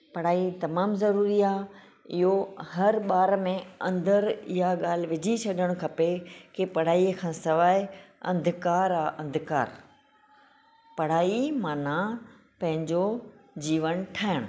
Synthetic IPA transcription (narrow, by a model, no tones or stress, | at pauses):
pɐɽ̤aːit̪ɐmaːmzɐɾuːɾiaː | ɪɦohɐɾɓaːɾmẽɐ̰̃nd̪əɾɪ̰ɦaɠaːl̤ɪʋɪd͡ʑʱit͡ɕʰɐɗʱəɽ̃ʊ̆kʰɐpekepɐɽ̤aːikʰãːsɐʋaːɪɐ̃nd̪ʱɪkaːɾaːʔɐ̃nd̪ʱɪka̰ːɾ | pɐɽ̤aːimaːna | pɐ̃ɦɪ̃ɲd͡ʑod͡ʑiːʋənʈʰaːɦɪɽ̃ʊ